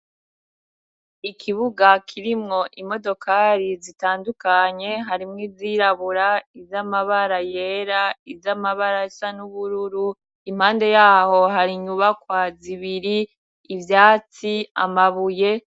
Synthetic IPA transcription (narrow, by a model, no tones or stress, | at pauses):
ikʰiβuɡakʰiɾimŋo̞ʔimo̞do̞kaːɾizitaːndukaɲe̞ɦaɾimŋiziɾaβuɾaizjamaβaɾajeːɾaizjamaβaɾaisanuβuɾuɾu | im̥haːnde̞jaːho̞ɦaɾiɲuβakwaziβiɾiː | vjaːt͡sia̰maβuje̞